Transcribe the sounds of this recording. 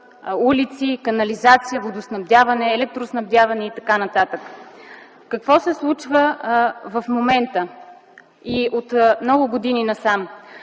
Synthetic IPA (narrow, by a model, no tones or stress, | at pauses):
ulit̪sikɐnɐlizat̪sijəvod̪osnɐvd̪ʲavɐnɛːlɛk̚t̪ɾosnɐvd̪ʲavɐnɛit̪ɐkanɐt̪at̪ək | kɐkvɔsɛslˠut͡ʃvəvəfmomɛnt̪ə | iot̪mnɔɡʊɡod̪ininɐsam